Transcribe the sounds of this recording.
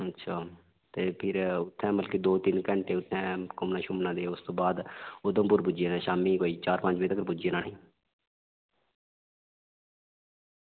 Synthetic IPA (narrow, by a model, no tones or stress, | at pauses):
ətːʃʰaː | t̪eːpʰɪɾʊt̪ʰːɛ̃ːməlkiːd̪oːt̪ɪnkəɳʈeːʊt̪ʰːɛ̃ːkʊmnãːʃʊmnãːd̪eːʊst̪õːbaːd̪od̪õːpʊɾbʊd͡ʒeːnɛ̃ːʃaːmiːkoːiːt͡ʃaːɾpə̃ɲd͡ʒbeːt̪əkəɾbʊd͡ʒeːnãːnĩː